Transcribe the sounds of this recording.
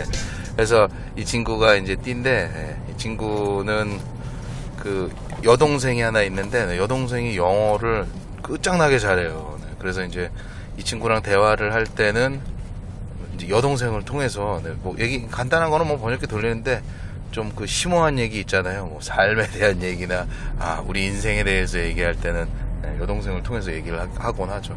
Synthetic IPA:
ne | kɯɾes̬ʰʌ | it͡ɕʰinɡuɡaind͡ʑe̞t͈inde̞ne̞̰ | it͡ɕʰiŋɡunɯn | kɯ | jʌdoŋs̬ʰe̞ŋiɦanainːɯnde̞ne̞jʌdoŋs̬ʰe̞ŋijʌŋʌɾɯɭ | k͈ɯt͡ɕ͈aŋnaɡe̞t͡ɕaɾe̞jone̞̰kɯɾe̞sʰʌind͡ʑe̞ | it͡ɕʰiŋɡuɾaŋte̞waɾɯɭhaɭt͈e̞nɯn | ind͡ʑejʌdoŋs̬ʰe̞ŋɯɭtʰoŋe̞s̬ʰʌne̞mwʌje̞ɡikandanɦanɡʌnɯnmwʌp̬ʌɲʌkʰetɯʎːinɯnde̞ | t͡ɕomkɯɕʰimoɦanje̞ɡiːt̚t͡ɕ͈anajomʌsʰaɭme̞de̞ɦanje̞ɡinaa̰uɾiins̬ʰe̞ŋe̞de̞esʰʌje̞ɡiɦaɭt͈e̞nɯnne̞̰jʌdoŋsʰe̞ŋɯɭtʰoŋe̞s̬ʰʌje̞ɡiɾɯɭahaɡʌnad͡ʑo

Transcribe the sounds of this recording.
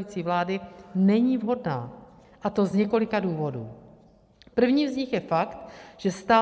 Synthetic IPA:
iːt͡siːvlaːdɪnɛɲiːvɦo̞dna̰ː | ʔat̪o̞zɲɛko̞lɪkaduːvo̞dṵː | pr̩vɲiːvzɲɪxjɛfakt̪ʒ̥ɛst̪aː

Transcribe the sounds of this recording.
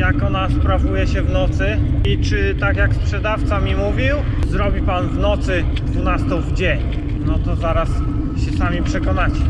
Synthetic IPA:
jakɔnaspɾavujɛɕɛvnɔt̪sɘit͡ʂɘt̪akjakspʂɛd̪aft̪samʲimuvʲiw | zɾɔbʲipanvnɔt̪sɘd̪vunast̪ɔ̃wvd͡ʑeɲ | nɔt̪ɔzaɾas | ɕɛsamʲipʂɛkɔnat͡ɕɛ

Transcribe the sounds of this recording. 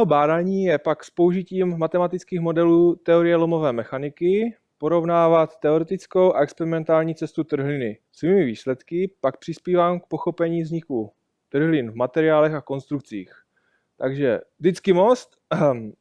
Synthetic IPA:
mɛɦobaːdaːɲiːjɛpakspo̞uʒɪciːmːat̪ɛmat̪ɪt͡skiːxmo̞dɛluːt̪ɛo̞ɾɪjɛlomo̞vɛːmɛxanɪkɪ | po̞ɾo̞vnaːvat̪ːɛo̞ɾɛt̪ɪt͡sko̞wʔaɛkspɛɾɪmɛnt̪aːlɲiːt͡sɛst̪ut̪r̩ɦlɪnɪ | sviːmɪviːslɛt̪kɪpak̚pr̥ɪspiːvaːmk̚po̞xo̞pɛɲiːvzɲɪku | t̪r̩ɦlɪnvmat̪ɛɾɪaːlɛxako̞nst̪ɾuk̚t͡sḭːx | t̪aɡʒɛ̰dɪt͡skɪmo̞st̪

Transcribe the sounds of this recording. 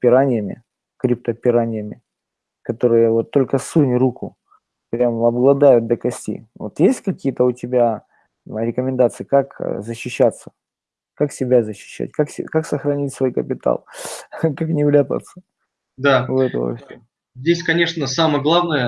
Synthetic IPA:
pʲɪɾanʲɪjəmʲɪ̰ | kɾʲɪp̚t̪əpʲɪɾanʲɪjəmʲɪ | kɐt̪o̞ɾɨjəvo̞t̪ːo̞lʲkəsunʲɾukʊ | pɾʲamɐbɡlˠɐd̪ajʊt̪̚d̪əkɐsʲtʲḭvo̰t̪jesʲtʲkɐkʲijət̪əʊtʲɪbʲa | ɾʲɪkəmʲɪnd̪at̪sɨɪkakzəɕːɪɕːat̪sə̥ | kaksʲɪbʲazəɕːɪ̥ɕːæ̰t̚ʲkaksʲɪkaksəxɾɐnʲitʲsvo̞jkəpʲɪt̪a̰lˠkaknʲɪvlʲat̪ə̰t̪sə̥ | d̪aʊɛt̪ə̰və̰fsʲo | zʲdʲesʲkɐnʲe̞ʂnəsaməjəɡlˠavnəjə

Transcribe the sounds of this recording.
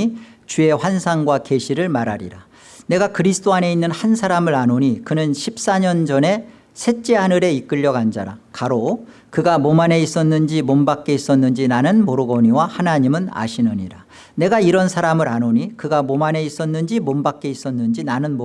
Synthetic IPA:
it͡ɕue̞ɸwansʰaŋɡwake̞ɕʰiɾɯɭmaɾaɾḭɾa | ne̞ɡakɯɾisʰt͈oane̞inːɯnhansʰaɾamɯɾanoɲikɯnɯnɕʰip̚s͈aɲʌnd͡ʑʌne̞ | sʰe̞t͡ɕ͈eɦanɯɾe̞ik͈ɯʎːʌɡand͡ʑaɾakaɾo | kɯɡamomane̞is͈ʌnːɯnd͡ʑimombak͈̚e̞is͈ʌnːɯnd͡ʑinanɯnmoɾɯɡʌɲiwahanaɲimɯna̰ɕʰinɯɲḭɾa | ne̞ɡaiɾʌnsʰaɾamɯɾanoɲikɯɡamomane̞is͈ʌnːɯnd͡ʑimombak̚k͈e̞is͈ʌnːɯnd͡ʑinanɯnmo

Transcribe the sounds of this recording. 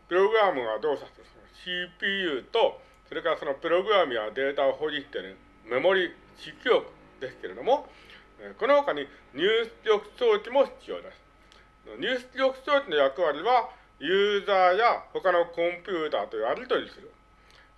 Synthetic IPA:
pɯ̟ɾo̞ɡɯ̟ɾamɯ̟ɡad̪o̞ːsasɨsonoɕipʲiːjɯ̟ːt̪o̞ | so̞ɾe̞kaɾaso̞no̞pɯ̟ɾo̞ɡɯ̟ɾamɯ̟jad̪e̞ːt̪aoɦo̞ɾʲit̪ːeɾɯ̟̃ | mamo̞ɾʲi | ɕikʲijo̞kɯ̟̥ | d̪̥e̞sɨ̥ke̞ɾe̞d̪o̞mo̞ | eko̞noho̞kaɲ̟iɲ̟ɨːsɨɾʲo̞kɯ̟̥so̞ːt͡ɕʲimo̞çi̥t͡sɨjo̞̰ːd̪e̞sɨ̥ | noɲ̟ɨːsɨ̥ɾʲo̞kɯ̟̥t͡so̞ːt͡ɕʲino̞jakɯ̟βaɾʲiβa | jɯːzaːjaho̞kano̞kõ̞mpʲjɯːt̪aːt̪o̞jβaɾʲit̪o̞ɾʲisɨɾɯ̟

